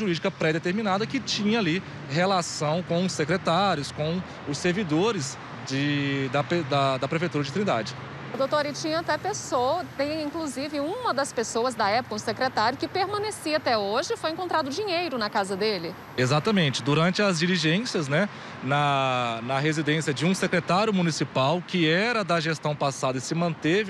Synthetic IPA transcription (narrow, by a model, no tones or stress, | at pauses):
ʒuɾid͡ʒikɐpɾɛd̪et̪eɾmĩnad̪ɐkɪt͡ʃĩɲɐali | ɦelasɐ̃w̃kõw̃ʊsekɾet̪aɾjʊskõw̃ | ʊseɾvid̪oɾɪs | d͡ʒɪd̪ɐped̪ɐd̪ɐpɾefejt̪uɾɐd͡ʒɪt̪ɾĩnd̪a̰d͡ʒɪ | ud̪owt̪oɾɪt͡ʃĩɲɐat̪ɛpesoɐt̪ẽj̃ĩŋkluzivɪũmɐd̪ɐspesoɐzd̪ɐɛpʊ̥kɐ̃ʊsekɾet̪aɾjʊkɪpeɾmɐ̃nesiɐat̪ɛoʒɪfojẽkõnt̪ɾad̪ʊd͡ʒiɲejɾʊnɐkazɐd̪elɪ | ezat̪ɐmẽnt͡ʃɪd̪uɾɐ̃nt͡ʃɪɐzd͡ʒiliʒẽsiɐznɛ | nɐnɐɦezid̪ẽsjɐd͡ʒɪũsekɾet̪aɾjʊmunisipawkɪɛɾɐd̪ɐʒest̪ɐ̃w̃pasad̪ɐɪsɪmɐ̃nt̪evɪ